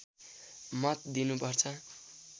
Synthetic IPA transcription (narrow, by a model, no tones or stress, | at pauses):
mʌt̪d̪inupʌrt͡sʰʌ